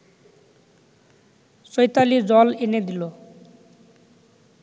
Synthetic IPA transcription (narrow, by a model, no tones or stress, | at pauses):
sɔjt̪alid͡zɔlened̪ilo